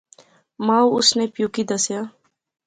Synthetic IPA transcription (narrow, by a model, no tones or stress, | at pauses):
maːuʊsnepjukid̪ɐsjaː